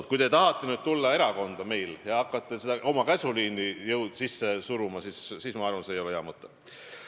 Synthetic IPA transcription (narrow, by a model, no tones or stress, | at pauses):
t̪̚kujt̪et̪ɑɦɑt̪ˑːenyːd̪̚t̪ulːɑe̞ɾɑko̞nd̪̥ɑme̞jljɑɑkːˑɑt̪ːˑesed̪ɑʔo̞mɑkæsuliːnːijɤwd̪̥sisːe̞suɾumɑsissiːsmɑɑrvɑnsejoljɑmɤt̪ˑːe